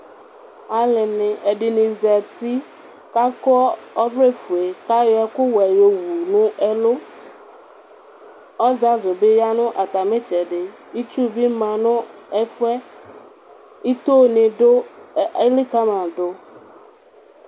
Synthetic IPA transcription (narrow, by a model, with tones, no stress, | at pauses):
a˨˦lɪ˨nɪ˨ʔe˨ɖɪ˨nĩ˨zɛ˨t̪i˦ | ka˦kɔ˦ɔ˦vɾe˦fu˨e˨ka˦jɔ˦ɛ˦kʊ˦wɛ˨jo˨wu˨nʊ̃˦ʔɛ˦lʊ˦ | ɔ˦za˦zʊ˨be˦ja˦nʊ̃˦ʔa˨t̪a˨mẽ˦t͡ʃɛ˨ɖɪ˨ | i˦t͡ʃu˦bi˦mã˨nʊ̃˦ | ɛ˦fɛ˦ | i˦t̪o˦nɪ̃˨do˦˨e˦li˦ka˦mã˨dʊ˦